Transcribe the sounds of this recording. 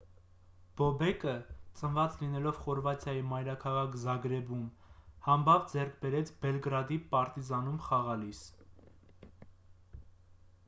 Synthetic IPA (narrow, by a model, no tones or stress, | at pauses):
b̥ɔbɛkət͡sənvɑt͡slinɛlɔvχɔɾvɑt̪ʰjɑjimɑjɾɑkʰɑʁɑkʰzɑɡɾɛbum | hɑmbɑvd͡zɛrk̚ʰbɛɾɛt͡sʰbɛlɡɾɑd̪ipɑɾt̪izɑnumχɑʁɑlis